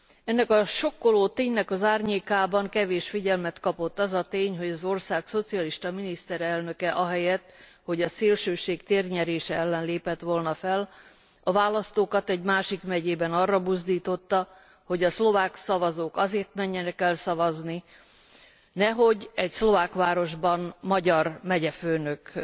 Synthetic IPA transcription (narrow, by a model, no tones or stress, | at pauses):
ɛnːɛkɒʃo̞kːoloːt̪eːɲnɛkɒzaːrɲeːkaːbɒŋkɛveːʃfiɟɛlmɛt̪kɒpo̞t̪ːɒzɒt̪eːɲɦo̞ɟɒzo̞rsaːkso̞t̪siɒliʃt̪ɒminist̪ɛɾɛlnø̞kɛʔɒɦɛjɛt̪ː | ho̞ɟɒseːlʃøːʃeːkt̪eːrɲɛɾeːʃɛɛlːɛnleːpɛt̪ʋo̞lnɒfɛl | ɒvaːlɒst̪oːkɒt̪ɛɟmaːʃikmɛɟeːbɛnɒrːɒbuzd̪iːt̪o̞t̪ːɒ | ho̞ɟɒslo̞vaːksɒvɒzoːkɒzeːrt̪mɛɲːɛnɛkɛlsɒvɒzni | nɛɦo̞ɟɛcslo̞vaːkʋaːɾo̞ʒbɒnmɒɟɒrmɛɟɛføːnøk